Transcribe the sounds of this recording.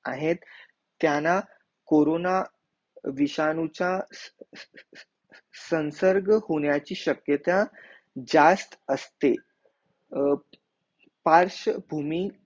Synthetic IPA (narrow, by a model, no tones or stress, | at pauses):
a̰ɦet̪ː | jana | koɾona | ʋiɕanut͡ɕa | sənsəɾɡhoɳjat͡ɕiːɕəkjət̪ã | d͡ʑast̪əst̪e | paɾɕəbʱumi